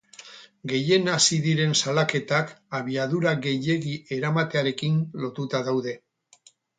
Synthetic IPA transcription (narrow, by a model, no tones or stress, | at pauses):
ɡe̞je̞nasiðiɾe̞nsalake̞t̪akaβiaðuɾaɣe̞je̞ɣie̞ɾamat̪e̞aɾe̞kinlo̞t̪ut̪aðawðe̞